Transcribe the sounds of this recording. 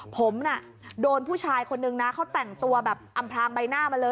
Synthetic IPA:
pʰo˩˦mna˥˩ | doː˧npʰuː˥˩t͡ɕʰaː˧jkʰo˧nːɯ˧ŋna˦˥kʰa˦˥wt̪ɛ˨˩ŋt̪u˧ɐbɛː˨˩p̚ʔa˧mpʰlaː˧ŋba˧jnaː˥˩ma˧lɤː˧

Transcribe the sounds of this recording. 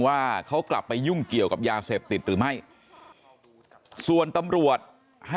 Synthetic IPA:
waː˥˩kʰa˦˥wkla̰˨˩pːa˧jːu˥˩ŋki˨˩əwka˨˩p̚jaː˧seː˨˩p̚t̪i˨˩t̪̚ɾɯː˩˦ma˥˩j | su˨˩ənt̪a˧mɾu˨˩ət̪̚ | ha˥˩

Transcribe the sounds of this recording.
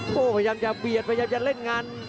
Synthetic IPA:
poː˧˩pʰa˧jaː˧mt͡ɕa˧˩bi˨˩ət̪̚pʰa˧jaː˧mt͡ɕa˧˩le˥˩nŋaː˧n

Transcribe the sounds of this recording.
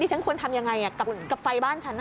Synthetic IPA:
i˥˩a˦˥nkʰu˧ənt̪ʰa˧mja˧ŋːa˧ja˨˩ka˨˩pka˨˩p̚fa˧jbaː˥˩nt͡ɕʰa˦˥nː˥

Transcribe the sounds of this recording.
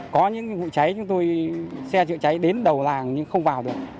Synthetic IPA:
kɔ˨˦ɲɨ̰˧˥ŋvṵ˧˨t͡ɕa˨˦jt͡ɕʊ˨˦ŋ͡mt̪o˧jsɛ˧t͡ɕɨ̰˧˨əŋt͡ɕa˨˦jɗe˨˦nɗə˨˩wlaː˨˩ŋɲɨ˧ŋxə˧wŋ͡mvaː˨˩wɗɨ˨˩ək̚

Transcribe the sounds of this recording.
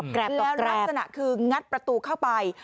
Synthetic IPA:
lɛː˦˥wa˥sa˧na̰˨˩ʔkʰɯː˧ŋa˦˥t̪̚pɾa˧t̪uː˧kʰa˥˩wpa˧j

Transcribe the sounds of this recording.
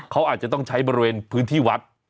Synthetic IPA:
kʰa˦˥wʔaː˨˩t̪̚t͡ɕa˨˩t̪ɔ˥˩ŋt͡ɕʰa˦˥jbɔː˧ɾi˧weː˧npʰɯː˦˥nt̪ʰiː˥˩wa˦˥t̪̚

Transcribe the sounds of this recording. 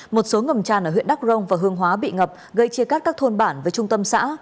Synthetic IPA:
mo˨˩t̚so˨˦ŋə˨˩mt͡ɕaː˧˩nʔəː˧˩w̰nɗa˦˥k̚zə˧wŋ͡mvaː˨˩ɦɨ˨˧əŋɦwaː˨˦ɓḭ˧˨ŋə˨˩p̚ɣə˧jt͡ɕi˧əkaː˦˥t̚kaː˦˥k̚t̪ʰo˧nɓaː˧˩nvəː˨˦jt͡ɕʊ˧ŋ͡mt̪ə˧msa̰ː˧˥

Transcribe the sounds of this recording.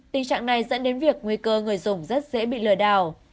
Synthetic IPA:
t̪ï˨˩ŋt͡ɕa̰ː˧˨ŋna˨˩jzə̰˧˥nɗe˨˦nvi˨˩ək̚ŋwi˧kəː˧ŋɨ˨˩əjzʊ˨˩ŋ͡mzə˦˥t̚zḛ˧˥ɓḭ˧˨lɨ˨˧˩əɗaː˨˩w

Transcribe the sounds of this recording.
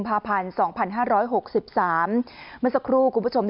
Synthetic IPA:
mpʰaː˧pʰa˧nsɔː˩˦ŋpʰa˧nɦaː˥˩ɾɔː˦˥jɦo˨˩k̚si˨˩p̚saː˩˦mːɯ˧˥˩sa˧˩kʰɾuː˥˩kʰu˧mpʰu˥t͡ɕʰo˧md

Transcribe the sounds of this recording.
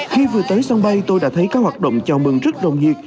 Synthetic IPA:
xi˧vɨ˨˩ət̪əː˨˦jsa˧ŋɓə˧jt̪o˧jɗa̰ː˧˥t̪ʰə˨˦jkaː˦˥k̚hwaː˨˩ɗo̰˧˨wŋ͡mt͡ɕɔ˧mɨ˨˩ŋzə˦˥t̚ɗə˨˩wŋ͡mɲi˨˩ət̚

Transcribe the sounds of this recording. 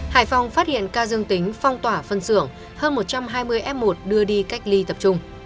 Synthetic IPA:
ha̰ː˧˩jfa˧˩wŋ͡mfaː˦˥t̚hḭ˧˨ənkaː˧zɨ˧əŋt̪ï˨˦ŋ̟fɔ˧wŋ͡mt̪waː˧˩fə˧nsɨ˧˩əŋ | həː˧nmo˨˩t̚t͡ɕa˧mɦaː˧jmɨ˧əjʔɛ˦˥p̚mo˨˩t̚ɗɨ˧əɗi˧ka˦˥jk̟̚li˧t̪ə˨˩p̚t͡ɕʊ˧ŋ͡m

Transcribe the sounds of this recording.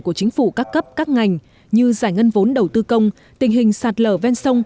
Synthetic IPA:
ku˧˩ət͡ɕï˨˦ŋ̟fṵ˧˩kaː˦˥kːə˦˥p̚kaː˦˥k̚ŋa˨˩jŋ̟ | ɲɨ˧zaː˧˩jŋə˧nvo˨˦nɗə˨˩wt̪ɨ˧kə˧wŋ͡m | t̪ï˨˩ŋ̟ɦï˨˩ŋ̟saː˨˩t̚ləː˧˩vɛ˧nsə˧wŋ͡m

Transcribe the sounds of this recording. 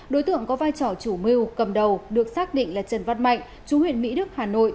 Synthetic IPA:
ɗo˨˦jt̪ɨ̰˧˨əŋkɔ˨˦vaː˧jt͡ɕɔ˧˩t͡ɕu˧˩mi˧wkə˨˩mɗə˨˩wɗɨ˨˩ək̚saː˦˥k̚ɗḭ̈˧˨ŋ̟laː˨˩t͡ɕə˨˩nva˧nma̰˧˨jŋ̟ | t͡ɕu˨˦hwḭ˧˨ənmḭ˧˥ɗɨ˦˥ək̚haː˨˩no̰˧˨jʔ

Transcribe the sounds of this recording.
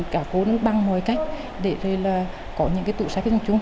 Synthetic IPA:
kaː˧˩ko˨˦nɔ˨˦ɓa˧ŋmɔː˨˩jka˦˥jk̟̚ | ɗe˧˩zə˨˩jlaː˨˩ | kɔ˨˦ɲɨ̰˧˥ŋkaː˨˦jt̪ṵ˧˨saː˨˦˥k̚ːzɔ˨˧˩t͡ɕʊ˨˧˦ŋ͡m

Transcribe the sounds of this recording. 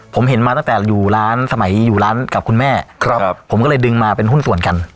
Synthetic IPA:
pʰo˩˦mɦe˨˩˦nmaː˧t̪a˥˩t̪ɛː˨˩juː˨˩ɾaː˦˥nsa˧ma˩˦jjuː˨˩ɾlaː˦˥nka˨˩p̚kʰu˧nmɛː˥˩kʰpʰo˩˦mkɔː˥˩lɤː˧jdɯ˧ŋmaː˧pe˧nɦu˥˩nsu˨˩ənka˧n

